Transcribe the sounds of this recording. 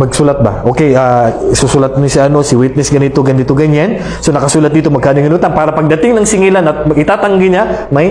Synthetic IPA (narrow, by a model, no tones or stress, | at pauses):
pɐɡsuːlɐt̪̚bɐ̰ʔo̞kɛjʔaːsusulɐt̪̚mʊsɪʔɐno̞sɪwit̪nɛsɡɐnɪt̪oɡɐnɪt̪oɡɐɲan | sonɐkɐsuːlɐt̪̚d̪iːt̪omɐɡ̚kaːd̪ɪŋɪnuːt̪ɐŋpaːɾɐpɐɡ̚d̪ɐt̪ɪŋnɐŋsɪŋilanɐt̪̚mɐɡɪt̪aːt̪ɐŋɡɪɲamɐj